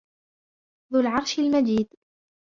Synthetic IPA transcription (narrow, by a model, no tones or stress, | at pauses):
ðʊlʕɑɾˤʃalmad͡ʒiːd̪